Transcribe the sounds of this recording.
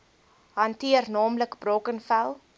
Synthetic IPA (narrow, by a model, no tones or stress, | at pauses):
ɦɐntiərnɑːmləkbroːkənfælˠ